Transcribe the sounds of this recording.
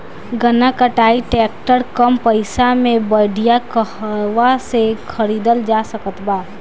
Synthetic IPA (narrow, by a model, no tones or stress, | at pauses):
ɡənakəʈaːiʈɛːkʈəɾkəmpəɪsamẽbəɖijakəɦəʋasekʰəɾiːd̪əld͡ʒaːsəkət̪baː